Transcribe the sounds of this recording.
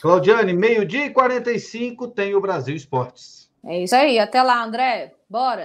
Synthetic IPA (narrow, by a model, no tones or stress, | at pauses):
klawd͡ʒiɐ̃nɪmejʊd͡ʒiɐɪkwaɾẽnt̪ɐjsĩkʊt̪ẽj̃ʊbɾaziwispɔɾt͡ʃɪ̥s | ɛisaiat̪ɛlaɐ̃nd̪ɾɛ | bɔɾɐ